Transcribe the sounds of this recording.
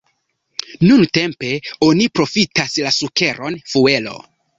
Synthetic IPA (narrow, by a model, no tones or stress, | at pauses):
nunte̞mpe̞o̞nipɾo̞fitaslasuke̞ɾʔo̞nfue̞lo̞̰